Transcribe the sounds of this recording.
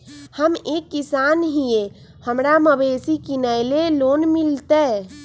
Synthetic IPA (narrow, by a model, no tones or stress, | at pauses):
həmekːisanɦije | həmɾaməbesikinəɪlelonmilt̪ɛ